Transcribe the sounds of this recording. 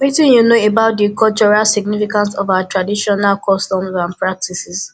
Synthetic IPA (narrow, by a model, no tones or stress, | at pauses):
witĩnjunoebaʊt̚dikɔlt͡ʃɔɹalsiɡnifikãnsɔvaatɹadiʃɔnalkʰɔstɔ̃mɹãmpɹak̚tisis